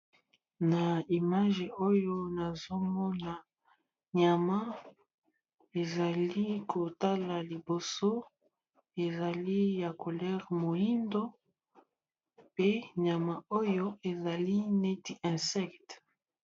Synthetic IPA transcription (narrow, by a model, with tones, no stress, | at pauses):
na˨i˨ma˦ʒe˨o˦jo˦na˨zo˦mɔ˦na˨ | ɲa˨ma˦ | e˨za˨li˦kʰo˨ta˦la˨li˨bo˨so˦ | e˨za˨li˦ja˨ko˨lɛ˦ʁmo˨ji˦ndo˦ | pe˦ɲa˨ma˨o˦jo˦e˨za˨li˦ne˦ti˦ʔɛ̃˨sɛ˦kt